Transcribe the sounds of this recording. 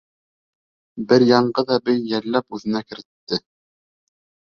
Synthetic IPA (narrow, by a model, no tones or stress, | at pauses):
bɘɾjɑɴɢɤðɑbɘjːælːæpʉðɘ̆nækɘ̆ɾɘ̆t̪ːɘ